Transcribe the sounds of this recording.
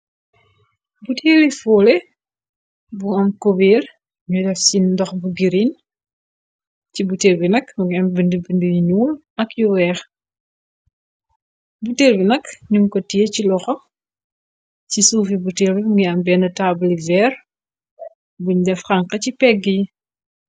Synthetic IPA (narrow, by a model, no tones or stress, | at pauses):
butʰeːlifɔːlɛ | buɐmkobiːr | ɲudɛfsindɔxbuɡiɾin | cibuteːlbinɐkmuɡiɐmbəndəbəndəjiɲuːl | ɐkjuwɛːx | butelbinɐkɲumkɔtijecilɔxɔ | cisuːfibuteːlbibɡiɐmbɛnɐtaːbulivɛːr | buɲdɛfxɐŋqɐcipɛɡiji